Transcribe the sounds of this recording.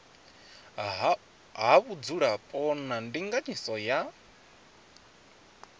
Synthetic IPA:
ɦaβud͡zuɺapʼɔnandiŋɡaɲisɔja

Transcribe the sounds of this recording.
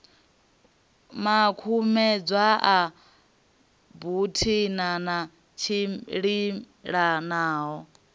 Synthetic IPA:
makʰumɛd͡zʷaʔa | butʰinana | t͡ʃʰiɺi | ɺanaːɦɔ

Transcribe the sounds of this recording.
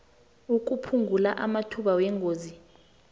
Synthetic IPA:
uk̬ʼupʰuŋɡʱulaʔamatʰuɓawɛŋɡʱoːzi

